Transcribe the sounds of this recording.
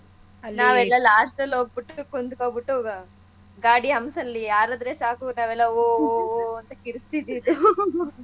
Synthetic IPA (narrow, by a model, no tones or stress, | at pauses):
naːʋɛlːɐlaːsʈɐlːoːɡ̚biʈːukːond̪ukoːɡbiʈːoːɡɐ | ɡaːɽiɦɐmsɐlːijaːɾɐd̪ɾeːsaːkunaːʋɛlːɐoːɐnt̪ɐkiɾst̪id̪id̪u